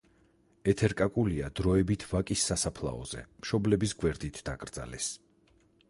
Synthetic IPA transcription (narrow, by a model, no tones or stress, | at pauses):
ɛt̪ʰɛɾkʼakʼuliad̪ɾɔɛbit̪ʰvakʼisːasapʰlˠa̰ɔ̰z̥ɛ̰mʃɔblɛbisɡwɛɾd̪it̪ʰd̪̥akʼɾd̪za̰lɛs